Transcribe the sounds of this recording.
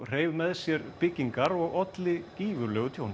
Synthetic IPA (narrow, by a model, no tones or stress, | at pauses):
r̥eːjvmɛðsjɛɾpɪcːiŋkaɾɔɣɔt̪lɪciːvʏɾlœːɣt̪ʰjown